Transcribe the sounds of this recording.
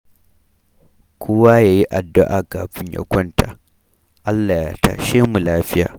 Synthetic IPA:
kʷʰʊ˦waː˦jaː˨ji˦ʔa˨dːʊ˦ʔaː˨kaː˨ɸɪ˦ɲja̰˨kʷɔ˦nta˨ | ʔa˦lːa˨ja˨ta̰˦ʃeː˦mu˨laː˦ɸɪ˦ja̰ː˨

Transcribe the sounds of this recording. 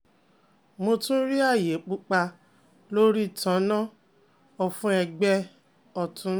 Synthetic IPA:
mo˧tũ˦ɾi˦a˦˨je˨˦k͡pu˦k͡pa˧ | lo˦ɾi˦˨tã˨˦nã˦ | ɔ˨fũ˦ɛ˧ɡ͡bɛ˧ | ɔ˨tũ˨˦

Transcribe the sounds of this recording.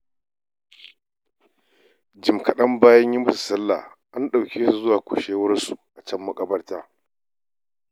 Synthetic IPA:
d͡ʒɪ˨mkɐ˨ɗɐ˦mbaː˦jɐ˦ɲji˦mʊ˦su˨sɐ˦lːa̰˨ | ʔa˦nɗa˨wkʲeː˦su˨zʊ˦waː˨kʷʊ̰˨ʃeː˦wɐ˦rsu˨ʔa˨t͡ʃɐ˦mːɐ˦kʼɐ˦bɐ˦rtaː˦

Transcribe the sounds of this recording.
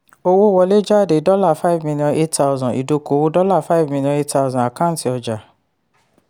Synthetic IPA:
o˧wo˦˧wɔ˧le˦d͡ʒa˦˨de˨˦dɔ˦la˦˨fa˦i˨vmĩ˧lijɔ̃˧nʔe˦tta˦ʊzɔ̃˨ʔḭ˨do˧ko˨˦wo˦dɔ˦la˦˨fa˦i˦˨vmĩ˧ljɔ̃˧˦e˦tta˦ʊ˧zɔ̃˨a˨kã˦˨ti˧ɔ˧d͡ʒa˨

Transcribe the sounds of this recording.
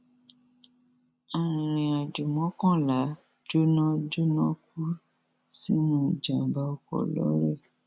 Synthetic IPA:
a˨ɾ̃ĩ˨ɾ̃ĩ˨a˨d͡ʒu˨mɔ̃˨˦kɔ̃˦˨la˨˦ | d͡ʒo˦nɔ̃˦d͡ʒo˦nã˦ku˦ | si˦nũ˦˨d͡ʒã˨ba˧˦ɔ˧kɔ̰˨lɔ̰˨˦ɾɛ˦˨

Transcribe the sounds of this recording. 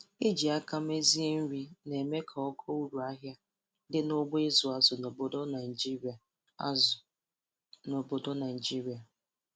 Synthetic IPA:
e˦d͡ʒi˨a˦ka˦m˦e˦zi˦e˦n̩˦ɾi˦ne˨me˦kʰa˨ɔ˦ɡʰɔ˦u˦ɾu˨a˦ɦja˦ | dɪ˦no˦ɡ͡be˦zʊ˨a˦zʊ˨no˨bo˦dɔ˦na˨i˨d͡ʒi˦ɾi˨a˨ | a̰˦zʊ˨ | no˨bo˨do˦na˨d͡ʒi˦ɾi˨a˨

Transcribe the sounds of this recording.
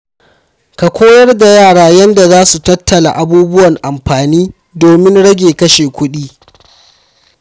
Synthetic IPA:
ka˨kʷoː˦jɐ˦rda˨jaː˦˨ɽaː˦jɐ˦nda˨zaː˦su˨tɐ˦tːɐ˨la̰˨ʔa˨buː˦bʊ˦wɐ˨ŋʔa˨mɸaː˨niː˦ | doː˨mɪ˦nɽɐ˦ɡʲeː˨kɐ˦ʃeː˨kʷʊ˦ɗiː˦

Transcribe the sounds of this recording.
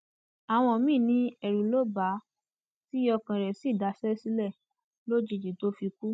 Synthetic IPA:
a˨w̃ɔ̃˧˨mĩː˦˨nĩ˦ɛ˨ɾu˨lo˦˨ba˨˦ | ti˦ɔ˧kã˨ɾɛ˨si˦˨da˨˦sɛ˦si˦lɛ˦˨ | lo˦d͡ʒi˧˨d͡ʒi˨to˦fi˧ku˦

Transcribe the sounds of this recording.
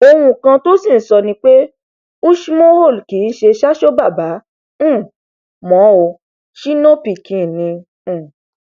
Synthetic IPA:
o˧hũ˧˨kã˧to˦sĩ˦˨˦sɔ˧nĩ˧˦k͡pe˦ | ũ˦ʃi˦mo˦ho˦˨lki˨˦n̩˦ʃe˧ʃa˦ʃo˦ba˦˨bã˨˦˨ | mɔ̃˨˦o˧ | ʃi˦nɔ̃˦pi˨kĩ˧˨nĩ˧˨

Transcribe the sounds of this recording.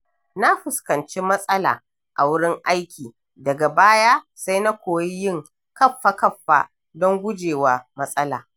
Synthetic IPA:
na˦ɸʊ˨skɐ˨nt͡ʃi˦mɐ˦sʼɐ˦la̰ː˨ | ʔa̰˨wʊ˦ɽɪ˦ŋʔa˦jkʲiː˨ | dɐ˨ɡa˨baː˦ja˦ | sa˦jna˦kʷoː˨ji˦jɪ˦ŋ | kɐ˦ɸːa˨kɐ˦ɸːa̰˦ | dɔ˦ŋɡʷʊ˦d͡ʒeː˨waː˦mɐ˦sʼɐ˦la̰ː˨

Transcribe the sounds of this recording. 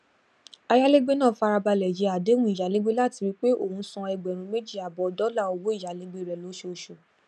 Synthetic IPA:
a˧ja˦le˦ɡ͡be˦nãː˦˨fa˧ɾa˧ba˧lɛ˨je˨˧˦a˨de˨˦ɾ̃ũ˦i˨ja˨˦le˦ɡ͡be˦la˦˨ti˧ɾi˦k͡pe˦o˦˨hũ˧˦sɔ̃˧ɛ˧ɡ͡bɛ˨ɾ̃ũ˧me˦d͡ʒi˦˨a˨bɔ˨dɔ˨˦la˦˨o˧wo˦i˦˨ja˨˦le˦ɡ͡be˦˨ɾɛ˨lo˨˦ʃo˧˦ʃo˨

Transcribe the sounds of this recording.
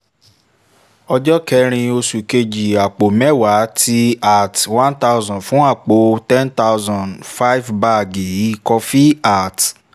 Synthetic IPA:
ɔ˧d͡ʒɔ˦kɛ˧˦ɾ̃ĩ˧o˧su˨ke˧d͡ʒi˨a˨k͡po˨mɛ˦wa˨˦tʰi˦a˨twã˦nta˦˧zɔ̃˨fũ˨˦a˦˨k͡po˨˦tɛ̃˦nta˦wzɔ̃˨nfa˦jvba˦˧˨ɡi˨˦i˦˨kɔ˧fi˦a˦˨t

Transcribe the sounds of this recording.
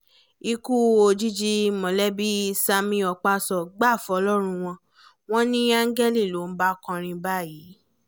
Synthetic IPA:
i˧ku˦o˧d͡ʒi˦d͡ʒi˧mɔ̃˨lɛ˦bi˦sa˧mĩ˧ɔ˧k͡pa˧sɔ˨ɡ͡ba˦˨fɔ˨˧˦lɔ˦ɾ̃ũ˧w̃ɔ̃˧ | w̃ɔ̃˦nĩ˦a˦ŋ̩˦ɡɛ˦li˦˨lo˨˦m̩˦ba˦kɔ̃˧ɾ̃ĩ˧ba˦˨ji˨˦

